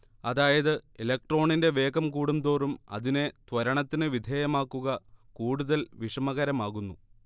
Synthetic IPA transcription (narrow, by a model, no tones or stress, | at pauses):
ɐðaːjɐðɨelek̚ʈro̞ːɳinde̞ʋe̞ːɡɐmkuːɽumd̪o̞ːrumɐ̰ðine̞t̪ʋɐɾɐɳɐt̪ːinɨʋid̪ʱeːjɐmaːkːuɣɐkuːɽuðɐlʋiʂɐmɐɣɐɾɐmaːɣunːu